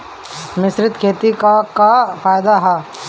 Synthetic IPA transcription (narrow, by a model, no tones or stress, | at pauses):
mɪsɾɪt̪kʰeːt̪ikakafaːjd̪aɦɛː